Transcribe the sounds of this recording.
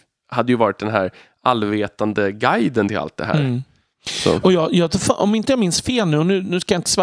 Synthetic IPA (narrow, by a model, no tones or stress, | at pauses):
had̪ːəjɵvɑːɾɪt̪̚d̪ɛnɦæːɾ | ʔalveːt̪and̪əɡajd̪ənt̪ʰɪla̰lt̪̚d̪ɛ̰ɦæ̰ːɾ | sɔ̰ɔjɑːjɑːt̪fʔɔ̰mɪnt̪əjɑːmɪnsfeːlnʉ̟ːɔnʉ̟ːnʉ̟ːskajɑɪnt̪ə̥svɑ